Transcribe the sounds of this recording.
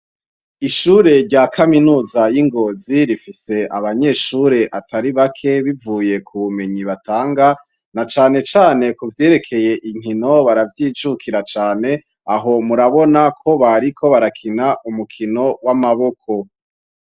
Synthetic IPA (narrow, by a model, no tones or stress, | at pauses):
iʃuːɾe̞ɾɟaːkʰaminuːzajiŋɡo̞ːziɾifise̞ʔa̰βaɲe̞ʃuɾe̞ʔatʰaɾiβakʰe̞βivuːje̞kʰuβume̞ɲiβataːŋɡa | nat͡ʃaːne̞t͡ʃaːne̞kuvje̞ːɾe̞kʰe̞je̞ʔiŋino̞βaɾavjiːt͡ʃukʰiɾat͡ʃaːne̞ | aɦo̞muɾaβo̞nakʰo̞βaɾikʰo̞βaɾakʰinaʔumukʰino̞wamaβo̞kʰo̞